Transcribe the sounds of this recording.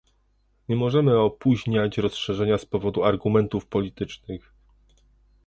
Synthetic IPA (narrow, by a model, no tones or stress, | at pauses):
ɲɛmɔʐɛmɘɔpuʑɲat͡ɕɾɔsʂɛʐɛɲaspɔvɔd̪uaɾɡumɛnt̪ufpɔlʲit̪ɘt͡ʂnɘx